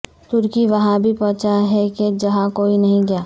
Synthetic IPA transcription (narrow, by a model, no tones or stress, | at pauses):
t̪ʊɾkiʋɐɦãbʱipɔ̃ːt͡ʃaɦɛked͡ʒɐɦãkoːinɐɦĩɡɐjaː